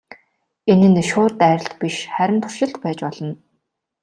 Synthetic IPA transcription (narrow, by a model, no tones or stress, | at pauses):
enɘ̆nʃʊːrt̪æːɾʲɪ̆ɬt̪piʃχæɾʲɪ̆mt̪ʰʊ̥r̥ʃɪ̆ɬt̪pæːt͡ɕpɔɮ̥ɞ̆n